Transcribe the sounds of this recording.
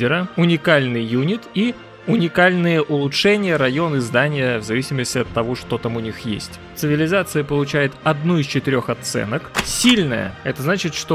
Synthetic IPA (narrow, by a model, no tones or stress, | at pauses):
ɪɾəʊnʲɪkalʲnɨjjunʲɪt̪i | ʊnʲɪkalʲnɨjəʔʊlˠʊtʂɛnʲɪjəɾɐjo̞nɨzd̪anʲɪjəvzɐvʲisʲɪməsʲtʲɪɐt̪ːɐvo̞ʂt̪o̞t̪amʊnʲixjḛsʲtʲt̪sɨvʲɪlʲɪzat̪sɨjəpəlˠʊt͡ɕæjɪt̪ɐd̪nuɪst͡ɕɪt̪ɪɾʲo̞xɐt̪sɛ̰nəksʲilʲnəjə̰ɛt̪əznat͡ɕɪt̪ʂt̪o